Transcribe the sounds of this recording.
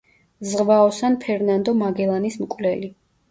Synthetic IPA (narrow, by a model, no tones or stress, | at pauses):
zʁvaɔsanpʰɛɾnand̪ɔmaɡɛlˠanismkʼvlɛli